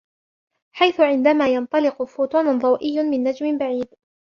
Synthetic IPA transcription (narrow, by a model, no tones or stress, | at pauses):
ħajθʊʕɪnd̪amaːjɑnt̪ˤɑlɪqʊfuːt̪ɑːnðˤɑwʔɪjːʊmɪnːad͡ʒmɪbaʕiːd̪